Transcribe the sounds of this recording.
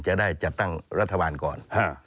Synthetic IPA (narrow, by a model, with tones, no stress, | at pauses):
t͡ɕa˧˥daː˥˩jt͡ɕa˨˩t̪̚t̪ːa˥˩ŋɾa˦˥t̪ʰːa˧aː˨˧nkɔː˨˩nhʰaː˧˩